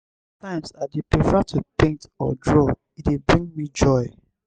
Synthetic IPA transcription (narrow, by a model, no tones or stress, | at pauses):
tãɪ̃msadipɹifɛatʰupẽntɔ̰dɹo | itibɹĩŋmid͡ʒɔɪ